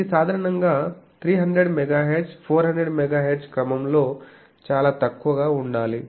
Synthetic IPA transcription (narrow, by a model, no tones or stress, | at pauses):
isaːd̪ʱaːɾɐɳɐŋɡaːt̪ʰɾiːɦɐɳd̪ɾeɖmɛɡaːɦeːɖspʰoːɾɦɐɳd̪ɾeɖmɛɡaːɦeɖskɾɐmɐmloː | t͡ʃaːlaːt̪ɐkːuʋɐɡaːuɳɖaːli